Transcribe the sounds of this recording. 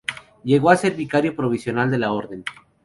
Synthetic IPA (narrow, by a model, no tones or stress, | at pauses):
ɟ͡ʝe̞ɣo̞ase̞ɾβikaɾjo̞pɾo̞β̞isjo̞nald̪e̞lao̞ɾðe̞n